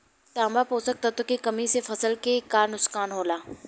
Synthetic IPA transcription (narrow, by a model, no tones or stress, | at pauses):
ʈaːmapɦoːsɐk̚t̪at̪okikɐmisefʰɐsəlkekaːɾnʊskaːnɦoːlaː